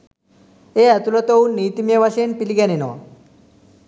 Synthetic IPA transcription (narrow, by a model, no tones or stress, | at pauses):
eat̪ulɔt̪ownit̪imjeʋaɕenpilɡanenɔ̰